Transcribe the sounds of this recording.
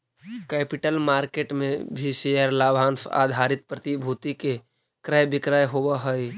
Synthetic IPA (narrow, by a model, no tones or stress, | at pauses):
kɛːpɪʈəlmaːɾkeːʈmẽbʱiʃejəɾlaːbʱãːnsʰa̰ːd̪ʱaɾɪt̪̚pɾət̪ibʱuːt̪ike | kɾəjbɪkɾaːjɦobəɦəj